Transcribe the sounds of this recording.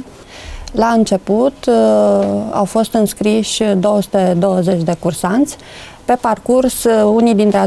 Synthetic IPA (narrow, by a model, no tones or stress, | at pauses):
laɨnt͡ʃe̞put̪ | a̰wfo̞st̪ɨnskɾiʃʲd̪o̞wəsu̥t̪ed̪o̞wəzet͡ʃʲd̪e̞kursant̪sʲ | pe̞parkursunijd̪int̪ɾea